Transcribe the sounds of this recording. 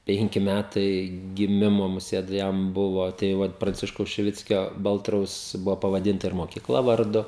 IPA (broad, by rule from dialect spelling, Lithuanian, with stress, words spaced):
ˈpʲɛŋʲkʲɪ ˈmʲætɐɪ ɡʲɪˈmʲɪmoː mʊˈsʲeːt ˈjɛm ˈbʊʋoː tɐɪ ˈʋɐt prɐnʲˈt͡sʲɪʃkɐʊs ʃʲɪˈʋʲɪt͡sʲkʲoː ˈbɐlˠtrɐʊs ˈbʊʋoː pɐʋɐˈdʲɪntɐ ɪr moːkʲɪˈklˠɐ ʋɐrˈdʊ